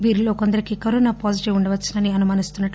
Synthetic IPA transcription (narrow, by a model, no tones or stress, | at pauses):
ʋiːɾilo̞ːkond̪ɐɾikikɐɾoːnapaːsiʈiʋuɳɖɐʋɐt͡ʃːinɐniɐnumaːnist̪unːɐʈː